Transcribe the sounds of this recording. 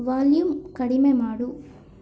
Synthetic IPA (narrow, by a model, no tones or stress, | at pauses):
ʋaːljumkɐɽimemaːɽu